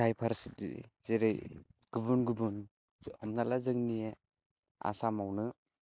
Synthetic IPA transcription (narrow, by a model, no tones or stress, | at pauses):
ajpʰaɾsidḭzeɾejɡ̥ɯbunɡɯbun | ɔmnalazɯŋnie | a̰samawnɯ